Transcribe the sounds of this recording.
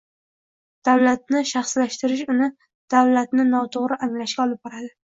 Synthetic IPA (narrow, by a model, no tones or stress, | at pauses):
d̪̥awlat̪̚nɪʃaχslaʃt̪ɪɾɪʃʊnɪ | d̪̥awlat̪nɪnɒt̪ʰoʁɾɪʔaŋlaʃkʲaɒlˠɪp̚bɒɾad̪ɪ